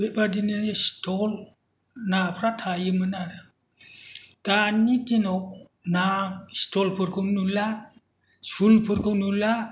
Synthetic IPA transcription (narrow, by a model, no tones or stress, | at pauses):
bebadinɯstʰɔl | napʰɾatʰajɯmɯnada | d̥anitinɔk̚ | nastɔlpʰɯɾkʰɯwnula | sulpʰɯɾkʰɯwnula